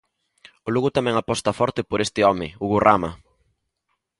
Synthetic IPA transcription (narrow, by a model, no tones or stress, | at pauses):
ʊluɣʊt̪amɛ̃ŋapɔst̪ɐfɔɾt̪ɪpoɾest̪ɪɔmɪuɣurʔama̰